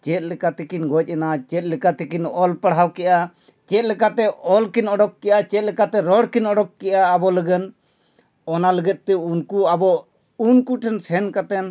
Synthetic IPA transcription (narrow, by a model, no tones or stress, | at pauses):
t͡ʃɛt̪̚lɛkat̪ɛkinɡɔc̚ˀɛnat͡ʃɛt̪̚lɛkat̪ɛkinɔlpəɽɦawkɛʔa | t͡ʃɛt̪̚lɛkat̪ɛɔlkinɔɖɔk̚kɛʔat͡ʃɛt̪̚lɛkat̪ɛɾɔɽkinɔɖɔk̚kɛʔaːbɔləɡən | ɔnaləɡɛt̪̚ˀt̪ɛunkuabɔ | unkuʈʰɛnsɛnkat̪ɛn